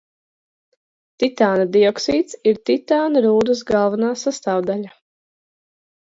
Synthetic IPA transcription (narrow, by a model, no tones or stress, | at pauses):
t̪it̪aːnad̪iɔksiːt̪siɾt̪it̪aːnaɾuːd̪ɨs̬ɡalˠvanaːsast̪aːwd̪aʎʲa